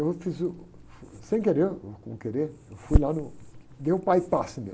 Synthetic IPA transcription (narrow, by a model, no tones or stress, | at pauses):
ewfizʊfsẽj̃keɾeɾkõ̰keɾeɾewfujlanʊd̪ewʊpajpasɪmḛ